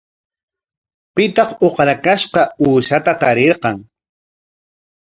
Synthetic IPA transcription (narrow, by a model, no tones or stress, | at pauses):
pɪt̪ɑχoqɾakaʃqɑuːʃat̪at̪aɾeɾqɑŋ